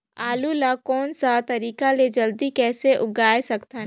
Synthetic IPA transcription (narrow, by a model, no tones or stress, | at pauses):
aːlulakɔːnsat̪ɐɾiːkaled͡ʒɐld̪ikɛːseʔʊɡaːjsɐkt̪a